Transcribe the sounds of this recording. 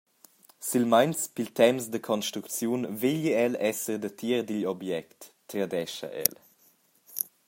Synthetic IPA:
silmajnspilt̪ɛmsd̪əkʰɔnʃt̪ɾukt͡sjunveʎiɛlɛsəɾd̪ət̪ʰiəɾd̪iʎɔbjɛkt̪ː | ɾad̪ɛʃɐ̰ʔɛ̰l

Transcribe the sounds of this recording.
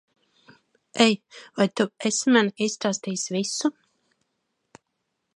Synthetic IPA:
ɛjvajt̪uesmanisːt̪aːst̪iːsvisu

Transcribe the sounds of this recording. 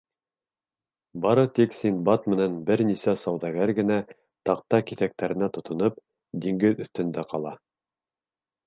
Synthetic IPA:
bɑɾɤt̪iksinbɑt̪mɘ̆nænbɘɾnisæsɑwðɑɡæɾɡɘ̆næ | t̪ɑq̚t̪ɑkiθæk̚t̪æɾɘ̆næt̪ŏt̪ŏnɤp̚ | d̪iŋɡɘðɵ̆θt̪ɵ̆nd̪æqɑlˠɑ

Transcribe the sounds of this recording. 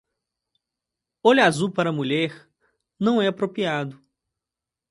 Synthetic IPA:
oʎazupaɾɐmuʎɛɾ | nɐ̃w̃ɛapɾopiad̪ʊ

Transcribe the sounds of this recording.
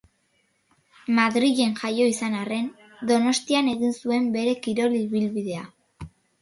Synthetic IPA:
maðɾiʝe̞nʝajo̞isanare̞n | d̪o̞no̞st̪iane̞ɣinsue̞mbe̞ɾe̞kiɾo̞liβilβiðe̞a

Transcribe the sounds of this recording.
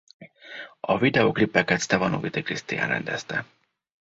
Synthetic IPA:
ɒvid̪ɛoklipːɛkɛt̪st̪ɛvɒnṵvit̪ikɾist̪ḭa̰nɾɛ̰nd̪ɛ̰st̪ɛ

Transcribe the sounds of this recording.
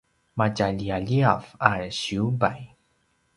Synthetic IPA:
macaʎiaʎiavaɕiubaj

